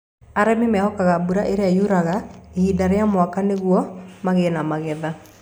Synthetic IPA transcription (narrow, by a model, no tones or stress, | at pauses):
aɾɛmimɛhɔkaɣabuɾaʔeɾeajuɾaɣaehindaɾeamwakaneɣwɔmaɣenamaɣɛða